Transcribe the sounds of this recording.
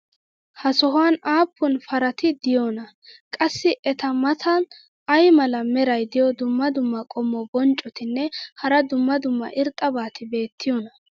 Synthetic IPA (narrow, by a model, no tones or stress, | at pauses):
hɐsɔɦaːnaːpːʊnfɐɾɐt̪ɪd̪ɪjonɐ | kʼɐsːɪʔɛt̪ɐmɐt̪ʰɐ | ɐjmɐlɐmɛɾɐjd̪ɪjɔd̪ʊmːɐd̪ʊmːɐkʼɔmːɔbɔnt͡ʃʼːɔt̪ɪnːɛhɐɾɐd̪ʊmːɐd̪ʊmːɐ̰ʔɪɾt̪ʼːɐbaːt̪ɪbe̞ːt̪ʰːɪjɔnɐ